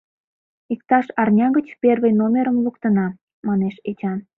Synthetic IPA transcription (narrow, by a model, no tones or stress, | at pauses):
ik̚t̪ɑʃɑrnʲɑɣət͡ɕperβəjnomʲeɾəmlukt̪ənɑ | mɑneʃet͡ɕɑn